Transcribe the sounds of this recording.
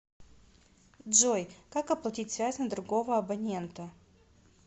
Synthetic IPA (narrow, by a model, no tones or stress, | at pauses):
dʐojkakɐplˠɐtʲitʲsvʲæzʲnəd̪ɾʊɡo̞vəɐbɐnʲe̞nt̪ə